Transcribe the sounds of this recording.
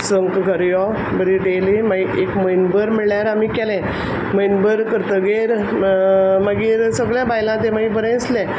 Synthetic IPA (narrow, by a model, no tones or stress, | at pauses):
səŋkɡʱəɾjɔ | bəɾiɖelimaiʔekməjnbəɾmiɭɭjaɾamiːkɛlɛ̃ | məjnbəɾkəɾt̪əɡeɾ | məɡiːɾsəɡɭjãbajlãt̪ẽmaibəɾə̃əslɛ̃